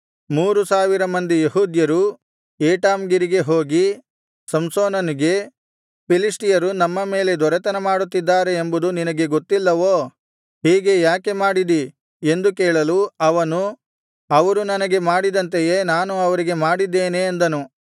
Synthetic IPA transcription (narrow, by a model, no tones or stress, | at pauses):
muːɾusaːʋiɾɐmɐnd̪ijeɦuːd̪jɐɾu | eːʈaːmɡiɾiɡe̞ɦoːɡi | sɐmsoːnɐniɡe̞ | pilisʈijɐɾunɐmːɐme̞ːle̞d̪ɔɾɛt̪ɐnɐmaːɽut̪ːid̪ːaːɾeːmbud̪uninɐɡe̞ɡot̪ːilːɐʋoː | ɦiːɡe̞jaːke̞maːɽid̪i | e̞nd̪ukɛːɭɐluɐʋɐnu | ɐʋɐɾunɐnɐɡe̞maːɽid̪ɐnt̪̬ejeːnaːnuɐʋɐɾiɡe̞maːɽid̪ːeːneːnd̪ɐnu